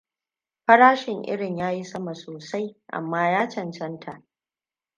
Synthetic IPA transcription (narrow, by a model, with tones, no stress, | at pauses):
ɸɐ˦ɽaː˦ʃɪ˨ŋʔɪ̰˦ɽɪ˨ɲjaː˦ji˦sɐ˦ma˨soː˨sa˦jʔa̰˨mːaː˦jaː˦t͡ʃɐ˨nt͡ʃɐ˦ntʰa˨ʔ